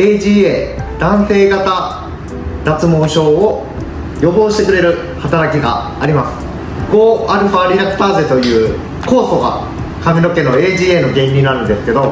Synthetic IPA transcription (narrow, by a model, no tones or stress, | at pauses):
e̞ʑiːeːd̪̥ãɰ̃se̞ːɡat̪a | d̪at͡sɨmo̞ːɕo̞ːo | jo̞bo̞ːɕi̥t̪e̞kɯ̟ɾe̞ɾɯ̟ | hat̪aɾakʲiɡa̰ː | ɾʲimasɨ̥ | ɡoːaɾɯ̟ɸaːɾʲiɾakɯ̥t̪aːze̞t̪o̞jɯ̟ː | ko̞ːso̞ɡa̰ | kamʲino̞ke̞no̞e̞ːʑiːeːno̞ɡẽ̞ɲːʲinaɾɯ̟̃nd̪e̞sɨ̥ke̞d̪o̞